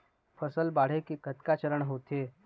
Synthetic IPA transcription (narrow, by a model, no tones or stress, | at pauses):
fəsəlbaɽ̤ekiːkət̪kat͡ɕəɾəɳɦot̪e